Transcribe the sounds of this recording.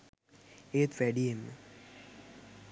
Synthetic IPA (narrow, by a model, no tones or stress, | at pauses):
et̪ʋæɖijemːə